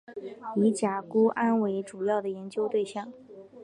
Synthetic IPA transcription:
i˧˥t͡ɕja˨˩ku˥ʔa˥nwe˧˥ɪʈ͡ʂu˨˩jɑ˥˩ʊd̪ə˩jɛ˧˥nt͡ɕjo˥ʊt̪we˥˧ɪɕjɑ˥˩ŋ

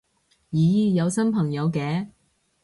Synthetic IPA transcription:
jiː˨˧˥jiː˧jɐ˨˧wsɐ˥npʰɐ˨˩ŋjɐ˨˧wkɛː˨˧

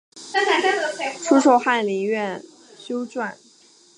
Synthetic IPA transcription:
ʈ͡ʂʰu˥ʂo˨˧˩ʊxa˥˩nli˧˥ɥɛ˥˩n | ɕjo˥ʊʈ͡ʂwa˥˩n

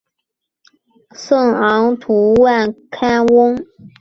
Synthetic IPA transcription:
sɤ˥˩ŋɑ˧˥ŋt̪ʰu˧˥wa˥˩nkʰa˥nwʊ˥ŋ

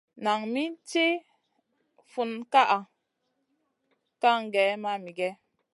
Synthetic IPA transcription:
na˨ŋmi˦nte˦ | fu˨nka˦ʔa˨ | ka˦ŋ˨ɡɛ˨˦ma˦mi˨ɡɛ˦

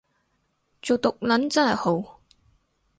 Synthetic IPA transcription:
t͡so˨wt̪ʊ˨k̚lɐ˨˥nt͡sɐ˥nhɐ˨jho˨˥w

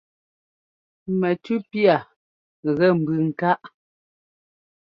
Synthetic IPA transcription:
mɛ˨tʉ˦pja˨ | ɣɛ˦˨m̩˨bʉ˨ŋ̩˨ka˦ʔ

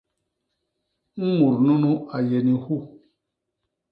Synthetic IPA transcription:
ŋ̩˦mu˨ɾnu˦nũ˦a˨jɛ˨ni˨hu˦˨

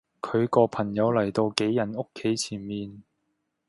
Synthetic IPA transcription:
kʰɵ˨˧ɥkɔː˧pʰɐ˨˩ŋjɐ˨˧wlɐ˨˩jt̪o˧wke˨˥jjɐ˨˩no˥kʰːe˨˥jt͡sʰiː˨˩nmiː˨˧n

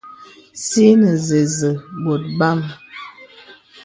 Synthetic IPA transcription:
si˦nə˨ze˨zə˨bo˨t̚ba˦˨m

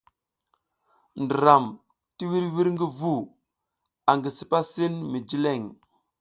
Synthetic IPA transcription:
ndi˨ɾa˨m | ti˦wi˦ɾwi˦ɾŋɡi˦vu˦˨ | a˨ŋɡi˨si˨pa˦si˦nmi˨d͡ʒi˦le˦˨ŋ

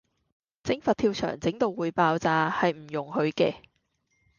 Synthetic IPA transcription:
t͡sɪ˨˥ŋfɐ˨t̪ʰiː˧wt͡ʃʰœ̰ː˨˩ŋt͡sɪ˨˥ŋt̪o˨˧wuː˨˧jpaː˧wt͡saː˧hɐ˨jm̩˨˩jʊ˨˩ŋhɵ˨˧ɥkɛ̰ː˧

